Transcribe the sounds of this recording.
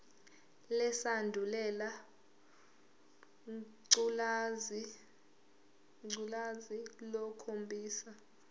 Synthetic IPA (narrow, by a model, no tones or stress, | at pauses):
lɛsandʱulɛla | ǀlzi | ŋ͡ǀulazilɔkʰombʱʼiːsa